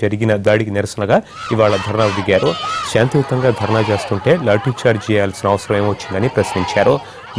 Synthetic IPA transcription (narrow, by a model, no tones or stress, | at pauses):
d͡ʒɐɾiɡinɐd̪aːɽikiniɾɐsɐnɐɡaː | iʋaːɭɐd̪ʱɐɾɐnaːud̪iɡaːɾuʃaːnt̪iukt̪ɐŋɡaːd̪ʱɐɾɐnaːt͡ʃe̞ːst̪uɳʈe̞ːlaːɾʈit͡ʃaːɾt͡ʃɛːjaːlɐsinɐʋɐsɐɾɐme̞ːmʋɐt͡ʃːind̪ɐnipɾɐsniɲt͡ʃaːɾu